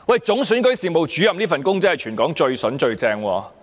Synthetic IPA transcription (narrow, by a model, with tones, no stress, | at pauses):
wɐ˨jt͡sʊ˨˥ŋsyː˨˥nkɵ˨˥ɥsiː˨mo˨wt͡ʃyː˨˥jɐ˨mniː˥fɐ˨nkʊ˥ŋt͡sɐ˥hjt͡ʃʰyː˨˩nkɔː˨˥ŋt͡ʃɵ˧ɥsɵ˨˥nt͡ʃɵ˧ɥt͡sɛː˧ŋwɔ̰ː˧